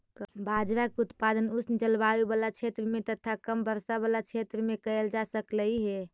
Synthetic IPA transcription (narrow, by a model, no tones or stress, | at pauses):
bʱad͡ʒɾakut̪pad̪ənusnd͡ʒəlbawebalat͡ʃʰet̪ɾəmẽt̪ət̪ʰakəmbəɾsabalat͡ʃʰet̪ɾəmẽkəeld͡ʒasəkləiɦɛ